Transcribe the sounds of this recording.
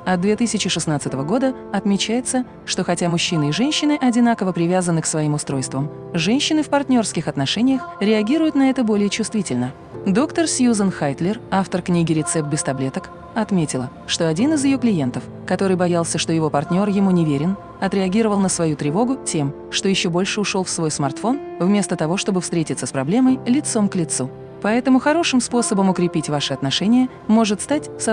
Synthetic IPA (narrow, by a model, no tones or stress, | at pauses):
ɐd̪vʲet̪ɨsʲɪt͡ɕɪʂɨsnat̪sɨt̪əvəɡo̞d̪ə | ɐt̪mʲɪt͡ɕæjɪt̪sə | ʂt̪o̞xɐtʲamʊɕːinɨiʐɛnʲɕːɪnɨʔɐdʲɪnakəvəpɾʲɪvʲazənːɨksvɐimʊst̪ɾo̞jst̪vəm | ʐɛnʲɕːɪnɨfpɐrt̪ʲnʲo̞rskʲɪxɐt̪nɐʂɛnʲɪjəxɾʲɪɐɡʲiɾʊjʊt̪nɐɛt̪əbo̞lʲɪjət͡ɕʊst̪vʲitʲɪlʲnə | d̪o̞kt̪ərsʲjuzənxajt̪lʲɪraft̪ərknʲiɡʲɪɾʲɪt̪sɛp̪̚bʲɪst̪ɐblʲe̞t̪ək | ɐt̪mʲetʲɪlˠə | ʂt̪o̞ɐdʲinɨzjɪjoklʲɪje̞nt̪əf | kɐt̪oɾɨjbɐjalˠsʲəʂt̪o̞jɪvo̞pɐrt̪ʲnʲo̞rjɪmunʲɪvʲeɾʲɪn | ɐt̪ɾʲɪɐɡʲiɾəvəlˠnəsvɐjut̪ɾʲɪvo̞ɡʊtʲe̞m | ʂt̪o̞jɪɕːo̞bo̞lʲʂɨʊʂo̞lˠfsvo̞jsmɐrt̪fo̞nvmʲe̞st̪ət̪ɐvo̞ʂt̪o̞bɨfst̪ɾʲetʲɪt̪sːəspɾɐblʲeməjlʲɪt̪so̞mklʲɪt̪su | pɐɛt̪əmʊxɐɾo̞ʂɨmspo̞səbəmʊkɾʲɪpʲitʲvaʂɨɐt̪nɐʂɛnʲɪjə | mo̞ʐɨt̪st̪atʲs